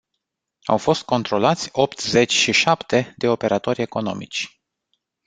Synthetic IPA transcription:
a̰wfo̞st̪̚ko̞nt̪ɾo̞lat̪sʲo̞pt̪ze̞t͡ʃʲʃiʃapt̪e̞d̪e̞o̞pe̞ɾʔat̪o̞rʲe̞ko̞no̞̰mḭt͡ʃʲ

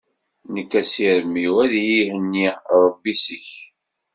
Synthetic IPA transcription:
nəkːæsiɾəmːiwæðjihənːiɾˤəbːisəç

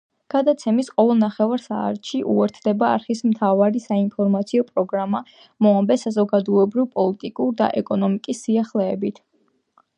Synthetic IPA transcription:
ɡ̥ad̪at̪sʰɛmisqʼɔvɛlˠnaχɛvaɾsa̰ːɾt̪ʃiʔṵɛɾt̪ʰd̪ɛba̰ːɾχismt̪ʰavaɾisainpʰɔɾmat̪sʰiɔpʼɾɔɡɾama | mɔambɛsazɔɡad̪ɔɛbɾivpʼɔlit̪ʼikʼuɾd̪a̰ʔɛkʼɔnɔmikʼisːiaχlɛːbit̪ʰ

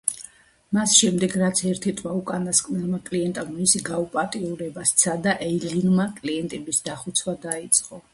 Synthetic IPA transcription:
masʃɛmd̪ɛɡɾat̪sʰɛɾt̪ʰit̪ʼwaukʼanaskʼnɛlˠmakʼliɛnt̪ʼamɔmisiɡaupʼat̪ʼiuɾɛbast̪sʰad̪aʔɛilinmakʼliɛnt̪ʼɛbisd̪aχut̪sʰwad̪ait̪sʼqʼɔ

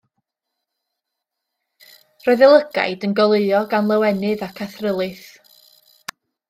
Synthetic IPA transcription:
rɔɨðɪlˠəɡ̥a̰jdənɡɔlˠeɨɔɡanlˠəwɛnɨðakʰaθrəlˠɨθ

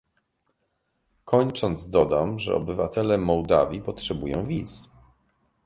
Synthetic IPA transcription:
kʰɔɲt͡ʂɔnd̪zd̪ɔd̪amʐɛ̰ɔ̰bɘvat̪ɛlɛmɔwd̪avʲjipɔtʂɛbujɔ̰̃w̃vʲis

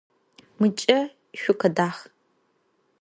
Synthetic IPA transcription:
mɨt͡ʃʼɐ | ʃʷʊqɐdaːχ

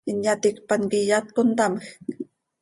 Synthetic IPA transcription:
injat̪ikpanɡijat̪̚kont̪aməx

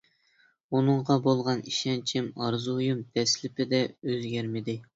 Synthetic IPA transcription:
unɨɴʁɑbolˠʁɑniʃɛnt͡ʃʰɪmɑɾzujumd̪ʰɛslɪpɪd̪ɛøzɡʲæɾmɪd̪ɪ

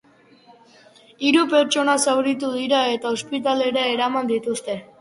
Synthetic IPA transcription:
iɾupe̞ɾt͡ʃo̞nasawɾit̪uðiɾae̞t̪aospit̪̬ale̞ɾaeɾamand̪it̪ust̪e̞

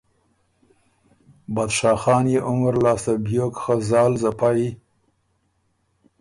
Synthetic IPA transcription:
bad̪ʂɑːxɑːnjeʔʊŋɾlɑːst̪abjokxəzɑːlzapai

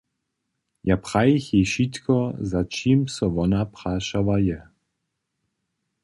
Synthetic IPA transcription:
japʁ̥ajixjɛʃit̪kʰɔzat͡ʃiːmsɔvɔnapʁaːʃavajɛ

